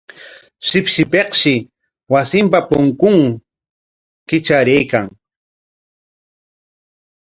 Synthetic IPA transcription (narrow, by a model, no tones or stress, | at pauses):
ʃɪpʃɪpeqʃɪ | wasɪmpapʊŋkʊŋ | kɪt͡ʃaɾejkaŋ